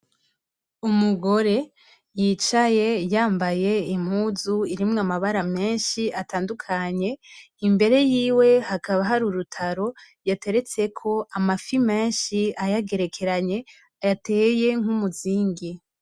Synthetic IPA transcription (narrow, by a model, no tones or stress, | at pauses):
umuɡo̞ɾe̞ | jiːt͡ʃaje̞jaːmbaje̞im̥huzuiɾimŋamaβaɾame̞ːnʃiatʰaːndukʰaɲe̞ | imbe̞ɾe̞jiːwe̞hakaβaɦaɾuɾutʰaɾo̞ | jate̞ɾe̞t͡se̞kʰo̞amafime̞ːnʃiajaɡe̞ɾe̞kʰe̞ɾaɲe̞ | ajate̞je̞ŋ̥umuziːŋɡi